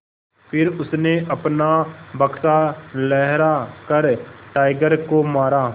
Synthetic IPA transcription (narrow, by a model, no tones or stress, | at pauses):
pʰɪɾʊsneʔɐpnabɐksalɛɦɾakəɾʈaːɪɡəɾkomaːɾaː